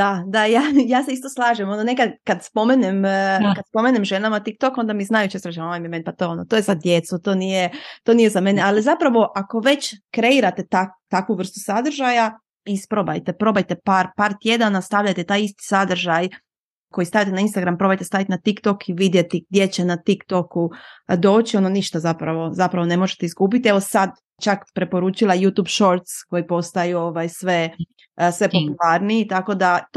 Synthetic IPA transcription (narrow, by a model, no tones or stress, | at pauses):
d̪ad̪ajajaːse̞ist̪o̞slˠaːʒemo̞none̞kad̪kad̪spo̞menemkad̪spo̞menemʒenamat̪ik̚t̪o̞ko̞nd̪amiznajut͡ɕesɾat͡ʃeoʋajmimenʲpat̪oonot̪ojezad̪jet̪sut̪o̞ːnijet̪onijezame̞nealizapɾaʋo̞ʔako̞ʋe̞t͡ɕkɾe̞iɾat̪e̞t̪akt̪akʋuʋr̩st̪u̥sad̪r̩ʒaja | ispɾoba̰jt̪epɾo̞bajt̪e̞paːɾpaːɾt̪je̞d̪anast̪aʋʎajt̪et̪aːjist̪i̥sad̪r̩ʒaj | ko̞jist̪aʋjat̪enainst̪aɡɾampɾo̞bajt̪est̪aʋjit̪inat̪ikt̪o̞kiʋid̪jet̪iɡ̚d̪ʲje̞t͡ɕe̞nat̪ikt̪okud̪o̞ːt͡ɕio̞noniʃt̪azapɾaʋo̞zapɾaʋo̞ne̞mo̞ʒet̪eizɡuːp̬it̪ie̞ʋo̞sad̪ | t͡ʃakpɾe̞po̞ɾuːt͡ʃilˠajuːt̪uːbʃo̞ɾt̪sko̞jipo̞st̪ajuoʋajsʋe̞ | sʋe̞populˠaɾniit̪ako̞d̪a